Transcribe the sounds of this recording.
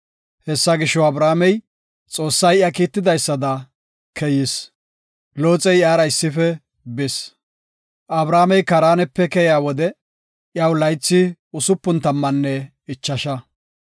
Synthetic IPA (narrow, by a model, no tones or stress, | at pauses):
hɛsːɐɡɪʃːɔwɐbɾaːmɛj | t͡sʼo̞ːsːɐjɪjɐkiːt̪ːɪd̪ɐjsːɐd̪ɐ | kʰɛjɪs | loːt͡sʼɛjɪaːɾɐɪsːɪfɛ | bɪs | ʔɐbɾaːmɛjkɐɾaːnɛpːɛkɛjɪaːwɔd̪ɛ | ʔjawlɐjt͡sːɪʊsʊpːʊnt̪ɐmːɐnːɛ | ɪt͡ʃːɐʃɐ